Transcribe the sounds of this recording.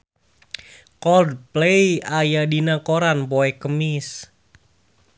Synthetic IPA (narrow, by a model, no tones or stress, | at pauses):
kɔld̚pleiajadinakoɾanpoɛkəmɪs